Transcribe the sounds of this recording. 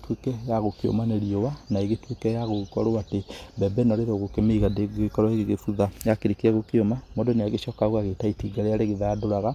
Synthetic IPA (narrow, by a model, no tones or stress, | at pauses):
twekɛjaɣokeo̰maneɾiowanaeɣetwekɛjaɣokɔ̰ɾoatebɛbɛnɔɾeɾoɣokɛmeɣadeɣekɔɾwɔeɣeɣefuðajakeɾekeɛɣokeomamɔdɔneaɣeʃɔːkaɣwaɣetaitiɡaɾeaɾeɣeðaadoɾaɣa